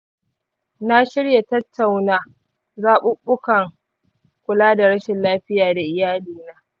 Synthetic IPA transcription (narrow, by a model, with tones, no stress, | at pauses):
na˦ʃɪ˦ɽja˨tɐ˦tʰːa˨wnaː˦ | zaː˦ɓʊ˦ɓʊ˦kɐ˨ŋ | kʷʊ˨laː˦da˨ɽɐ˦ʃɪ˨nlaː˦ɸɪ˦jaː˨da˨ʔɪ˦jaː˦liː˨naː˦